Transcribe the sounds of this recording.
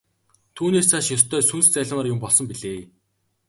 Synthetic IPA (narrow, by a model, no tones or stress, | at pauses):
t̪ʰuːneːssaːʃjɔst̪ʰœːsunst͡sæɮ̆ʲmaːrjʊmpɔɮsɞ̆mpiɮeː